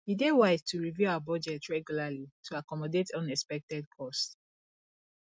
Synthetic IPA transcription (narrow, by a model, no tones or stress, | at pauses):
hidewaɪztʰuɹivjuaʊabɔd͡ʒɛtɹɛɡjulalitʰuakɔmɔdetʰɔ̃nɛspɛk̚tɛd̚kʰɔst